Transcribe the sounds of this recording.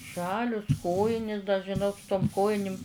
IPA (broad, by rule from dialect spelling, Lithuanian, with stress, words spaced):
ˈʒɑːlʲʊs ˈkoːjɪnʲɪs dɐ ʒʲɪˈnoːk sʊ toːm ˈkoːjɪnʲɪm